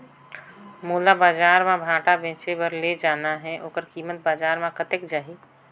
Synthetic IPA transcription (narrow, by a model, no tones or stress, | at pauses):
moːlabaːd͡ʒaːɾmãbʱãːʈabẽːt͡ʃebəɾled͡ʒaːnaɦɛ̃ʔoːkəɾkiːmət̪̚baːd͡ʒaːɾmãkət̪ekd͡ʒaːɦi